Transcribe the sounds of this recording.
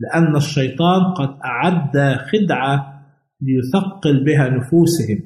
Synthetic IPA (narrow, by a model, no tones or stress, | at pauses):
lɪʔanːaʃːɑjt̪ˤɑːnqɑd̪ʔaʕad̪ːaxɪd̪ʕa | lɪjʊθɑqːɪlbɪɦanʊfuːsɪhɪm